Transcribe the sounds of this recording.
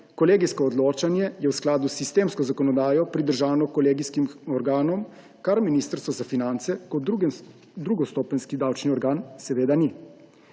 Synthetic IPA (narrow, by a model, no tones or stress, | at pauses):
kɔleːɡiskɔːd̪loːt͡ʃanjɛjɛwsklaːd̪usist̪eːmskɔzakɔnɔd̪aːjɔpɾid̪əɾʒaːwnɔkɔleːɡiskimɔɾɡaːnɔm | kaɾminiːst̪əɾst̪ʋɔzafinant̪sɛkɔ | d̪ɾuɡɔst̪ɔːpənskid̪awt͡ʃniɔɾɡaːnsɛʋeːd̪ani